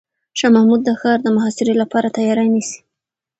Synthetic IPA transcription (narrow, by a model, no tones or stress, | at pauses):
ʃɑmahmud̪̚ːəxɑɾd̪əmaɦɑsɪɾolapɑɾat̪ajɑɾanisi̥